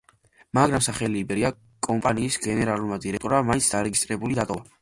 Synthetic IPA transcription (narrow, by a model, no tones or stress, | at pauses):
maɡɾamsaχɛliːbɛɾia | kʼɔmpʼaniːsɡɛnɛɾalˠuɾmad̪iɾɛk̚t̪ʼɔɾamaint̪sʰd̪aɾɛɡist̪ʼɾɛbulid̪at̪ʼɔva